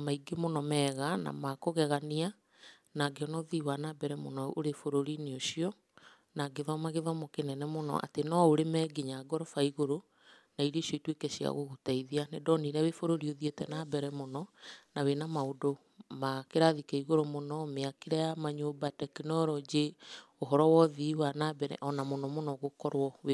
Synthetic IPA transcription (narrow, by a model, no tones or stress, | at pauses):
maiɡemonɔmɛɣana̰makoɣɛɣania | naɡeɔnɔðiwanabɛɾɛmonɔoɾefoɾoɾineoɕiɔ | naɡeðɔmaɣeðɔmokenɛnɛmonɔ̰ʔa̰tenɔoɾemɛːɡiɲaɡɔɾɔfaiɣoɾo | naiɾeʃɔitwekɛɕia̰ɣoɣutaiðianedɔniɾɛwefoɾoɾioðietɛnabɛɾɛmonɔnawenamaodo | makeɾaðikaiɣoɾomonɔmeakeɾɛjamaɲobatɛkinɔɾɔd͡ʑe | oɦɔɾɔwɔðiwanabɛɾɛ̰ʔɔnamonɔmonɔɣokɔɾwɔwe